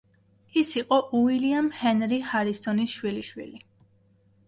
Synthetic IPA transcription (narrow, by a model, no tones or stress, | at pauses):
isiqʼɔʔuiliamhɛnɾihaɾisɔnisʃwiliʃwḭli